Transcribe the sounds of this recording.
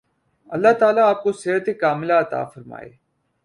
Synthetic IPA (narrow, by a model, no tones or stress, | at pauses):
ɐlːaɦt̪aːlaːp̚koseːɾət̪ekaːmɪlaɐt̪a̰ːfəɾma̰ːḛː